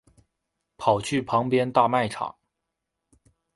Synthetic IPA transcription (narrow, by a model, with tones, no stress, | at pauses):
pʰɑ˨˩ʊt͡ɕʰy˥˩pʰɑ˧˥ŋpjɛ˥nt̪a˥˧ma˥˩ɪʈ͡ʂʰɑ̰˨˩˦ŋ